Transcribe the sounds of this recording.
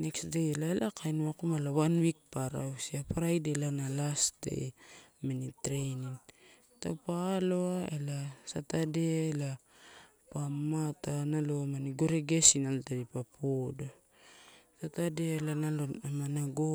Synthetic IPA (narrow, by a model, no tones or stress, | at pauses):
ne̞ksde̞jelaelʔakʰajnuakumalawanwik̚paɾa̰wsiapaɾajdelanalasde̞̰jmenitɾe̞jnin | ta̰palo̞ae̞lasatadeaela | pamatanalomaniɡo̞ɾeɡe̞sinaltadipapʰodo | satadeaelanaloamanaɡo